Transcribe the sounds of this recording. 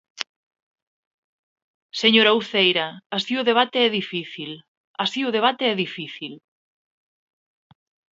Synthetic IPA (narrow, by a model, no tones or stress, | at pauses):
seɲoɾauθejɾɐasiʊðeβ̞at̪eɛðifiθil | asiʊðeβ̞at̪eɛðifiθil